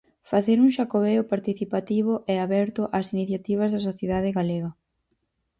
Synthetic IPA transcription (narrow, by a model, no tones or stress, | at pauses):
faθeɾuŋʃakoβeʊpaɾt̪iθipat̪iβ̞ʊʔɛaβɛɾt̪ʊʔasiniθjat̪iβ̞ɐzðɐsoθjeðaðɪɣaleɣɐ